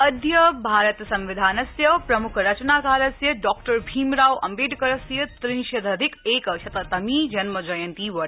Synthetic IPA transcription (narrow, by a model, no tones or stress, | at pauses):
ɐd̪jɐbʱaːɾɐt̪sɐ̃mʋɪd̪ʱaːnɐsjɐpɾɐmʊkʰɾɐt͡ʃnaːkaːɾɐsjɐɖɔːkʈɐɾbʱiːmɾaːʋɐ̰mbeːɖkɐɾɐsjɐt̪ɾinʃɐd̪ʱɐd̪ʱɪkeːkɐʃɐt̪ɐt̪ɐmiːd͡ʒɐnmɐd͡ʒɐjɐnt̪iːʋɐʈ